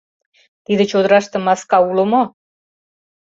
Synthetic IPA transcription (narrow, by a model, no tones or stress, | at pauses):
t̪id̪ə̆t͡ɕod̪ə̆ɾɑʃt̪ɤ̆mɑskɑulə̆mo